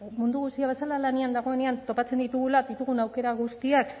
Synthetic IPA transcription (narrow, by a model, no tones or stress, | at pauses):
mund̪uɣust̪iaβe̞salalaneand̪aɣ̞o̞e̞ne̞ant̪o̞pat͡se̞nd̪it̪uɣ̞ulaðit̪uɣ̞unawke̞ɾaɣ̞ust̪iak